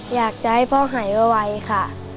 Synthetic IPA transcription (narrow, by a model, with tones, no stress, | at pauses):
jaː˨˩k̚t͡ɕa˧˨ha˥˩jpʰɔː˧˥˨ɦaː˩˦jba˧˩wa˧jkʰa˧˩